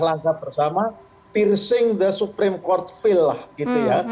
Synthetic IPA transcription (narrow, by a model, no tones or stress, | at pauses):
laŋkab̥ərsama | t̪irsɪŋd̪əsupɾɪmkɔrt̪̚filahɡit̪uja